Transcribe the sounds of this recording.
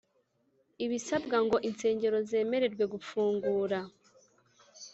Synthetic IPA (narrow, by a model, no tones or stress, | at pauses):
iβisabɡaŋɡo̞ʔinse̞ːɲɟe̞ɾo̞ze̞ːme̞ɾe̞ɾɡwe̞ɡufuːŋɡuːɾa